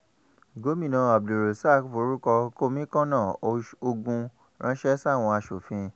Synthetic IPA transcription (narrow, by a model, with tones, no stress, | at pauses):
ɡo˨˦mĩ˦˨nã˧a˨b̚du˨ɾe˨sa˦˨kfo˨˦ɾu˦kɔ˧ko˦mĩ˦kã˦nãː˦˨o˧ɡũ˧ | ɾã˦ʃɛ˦sa˦˨w̃ɔ̃˧a˧ʃo˨fĩ˧